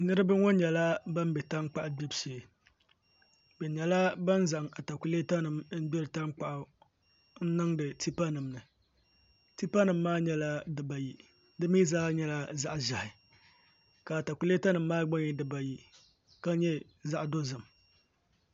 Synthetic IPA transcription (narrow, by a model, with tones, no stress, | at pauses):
nɨ˦ɾɨ˦bɨ˦ŋɔ˦ɲɛ˨la˦ba˦m˦bɛ˨ta˦ŋ˦k͡pa˦ʔɡ͡bi˦bse˨ | bɛ˨ɲɛ˨la˦ba˦n˦za˨ŋa˨ta˨ku˨le˦ta˦nɨ˨m˦ɡ͡bɛ˦ɾɨ˨ta˦ŋk͡pa˨ʔʊ˦ | n̩˦nɨ˦ŋdɨ˨ti˦pa˦nɨ˨mnɨ˨ | ti˦pa˦nɨ˨mːaː˦ɲɛ˦la˦dɨ˨ba˨ji˨ | dɨ˦miː˦zaː˦ɲɛ˦la˦za˦ʔʒa˨hɪ˨ | ka˨ta˨ku˨le˦ta˦nɨ˨mːaː˦ɡ͡ba˦ŋi˨dɨ˨ba˨ji˨ | ka˦ɲɛ˦ | za˦ʔdo˦zɨ˨m